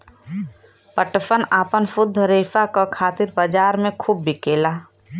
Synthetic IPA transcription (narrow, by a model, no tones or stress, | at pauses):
pəʈpənaːpənfʊd̪ʱːəɾeːfakakʰaːt̪ɪɾbad͡ʒaːɾmẽkʰuːbːɪkeːlaː